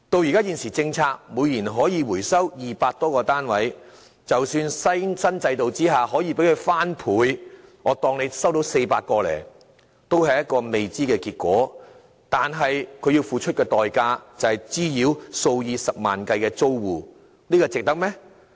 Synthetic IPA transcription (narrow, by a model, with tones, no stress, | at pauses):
t̪o˧wji˨kaː˥jiː˧nsiː˨˩t͡sɪ˧ŋt͡sʰaː˧k̚mu˨˧jliː˨˩nɦɔː˨˥jiː˨˧wuː˨˩jsɐ˥wjiː˨paː˧k̚t̪ɔː˥kɔː˧t̪aː˥nwɐ˨˥j | t͡sɐ˨wsyː˧nsɐ˥jsɐ˥nt͡sɐ˧jt̪o˨wt͡siː˥ɦaː˨ɦɔː˨˥jiː˧pe˨˥jkʰɵ˨˧ɥfaː˥npʰuː˨˧jŋɔː˨˧t̪ɔː˧ŋne˨˧jsɐ˥wt̪o˨˥wse˧jpaː˧t̚kɔː˧lɛ̰ː˨˩ | t̪o˥whɐ˨jɐ˥t̚kɔː˧me˨jt͡siː˥kɛː˧kiː˧t̚kʷɔ̰ː˨˥ | t̪aː˨nɦɐ˨jkʰɵ˧jiː˧wfuː˨t͡ʃʰɵ˥t̚kɛː˧t̪ɔː˨jkaː˧t͡sɐ˨whɐ˨jt͡siː˥jiː˨˧wso˧wjiː˧sɐ˨p̚ma̰ː˨nkɐ˧jkɛː˧t͡so˥wwuː˨ | niː˥kɔː˧t͡sɪ˨k̚t̪ɐ˥k̚mɛ˥